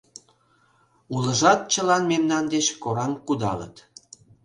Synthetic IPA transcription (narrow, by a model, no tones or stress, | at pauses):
uləʒɑt̪̚t͡ɕəlɑnmemnɑnd̪et͡ɕkoɾɑmkud̪ɑ̰lə̰t̪